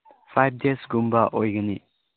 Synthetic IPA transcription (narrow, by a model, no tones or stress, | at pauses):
pʰajb̚desɡumbaʔojɡəni